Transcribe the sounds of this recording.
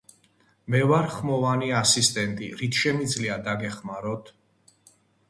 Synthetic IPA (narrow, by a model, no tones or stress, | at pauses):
mɛvaɾχmɔvaniasist̪ʼɛnt̪ʼḭɾit̪ʰʃɛmid̪zliad̪aɡɛχmaɾɔt̪ʰ